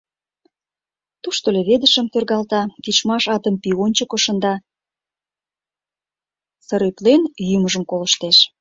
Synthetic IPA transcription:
t̪uʃt̪oleβed̪əʃə̆mt̪ørɣɑlt̪ɑkit͡ʃmɑʃɑt̪ə̆mpionʲt͡ɕəkoʃə̆nd̪ɑ | səɾyplenjyməʒə̆mkoləʃt̪eʃ

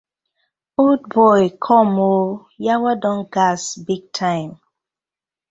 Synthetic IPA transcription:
old̚bɔjkʰɔmo | jawadɔ̃nɡasbiɡ̚tʰãɪ̃m

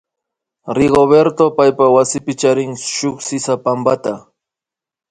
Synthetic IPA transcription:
ɾɪɢobeɾt̪opajpawasɪpɪt͡ʃaɾɪŋʃʊχsɪsapambat̪a

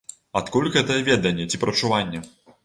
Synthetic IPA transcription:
at̪kulʲɣɛt̪ɐjɛvʲɛd̪ɐnʲːɛt͡sʲipɾʔɐt͡ʂuvanʲːɛ

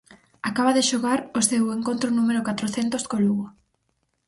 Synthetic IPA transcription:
akaβaðeʃoɣaɾoseweŋkõnt̪ɾʊnumeɾʊkat̪ɾoθent̪oskoluɣo

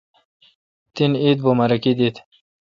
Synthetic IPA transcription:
t̪init̪̚bomɐɾɐkid̪it̪

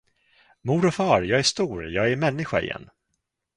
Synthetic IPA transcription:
muːɾɔfɑːɾjɑːɡæʂt̪uːɾjɑːɡæɾmɛnːɪɧaɪ̰jɛ̰nː

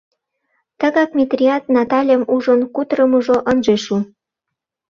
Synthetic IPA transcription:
t̪əɣɑkmʲit̪rʲiɑt̪̚nɑt̪ɑlʲemuʒənkut̪ɾəmuʒoʔənʒeʃu

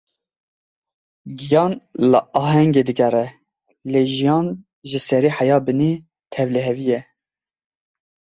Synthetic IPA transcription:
ɡijɑːnlə̰ʔɑːɦɛŋɡeːd̪ɨɡɛɾɛ | leːʒijɑːn | ʒɨsɛɾiːħajɑːbɨni | t̪ʰɛvlɛɦɛvijɛ

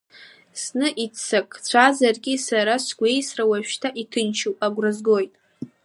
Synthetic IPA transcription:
snɨʔit͡sʰːakʼt͡ɕʷʰazarɡʲʼisaɾasɡʷe̞jsrawaʃᶣtʰaʔitʰɨnʃʰowpʼaɡʷrɨzɡo̞jtʼ

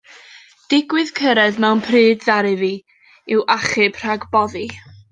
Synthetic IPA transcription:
d̥ɪɡwɨð̥kʰəɾɛðmɛwnpʰrɨːdðaɾɨvi | ɪwʔaχɨb̥r̥aɡbɔði

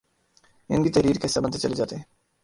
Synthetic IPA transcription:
ḭnɡ̪it̪eɾiɾkesabant̪et͡ɕəled͡ʑat̪e

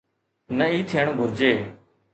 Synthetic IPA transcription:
nəiːt̪ʰɪjəɳoːɡʱʊɾd͡ʒeː

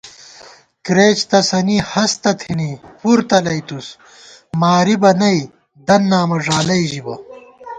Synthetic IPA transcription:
kɾeːt͡ɕt̪ɐsɐnihɐst̪ɐt̪ʰinipuɾt̪ɐlɐjt̪us | maːɾibɐnɐj | d̪ɐnːaːmɐʐaːlɐjʑibɐ

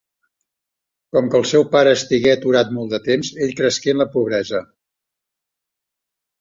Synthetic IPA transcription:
kɔmkəlˠsɛwpaɾəːst̪iɣɛət̪uɾat̪̚mɔlˠd̪ət̪emzeʎkɾəskeənləpuβ̞ɾɛzə

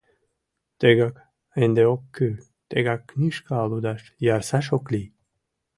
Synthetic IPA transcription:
t̪eɡak | end̪eokʰːy | t̪eɡakːnʲiʃkaːlud̪aʃjɑɾsaʃ̬okli

